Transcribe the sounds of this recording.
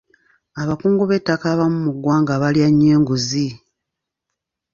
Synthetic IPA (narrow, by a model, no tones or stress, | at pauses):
aβakuːŋɡuβe̞tːakaβamumuɡwaːŋɡaβaljaɲːeːŋɡuzi